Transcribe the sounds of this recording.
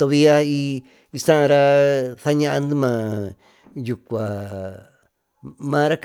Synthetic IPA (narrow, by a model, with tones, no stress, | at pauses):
t̪o˧βi˧a˦i˧ | i˧sã˦˧ɾa˧θa˦˧ɲã˦ʔa˧nd̪ɨ˦mã˧ | ju˨kʷa˨ | mã˧˦˧ɾa˦k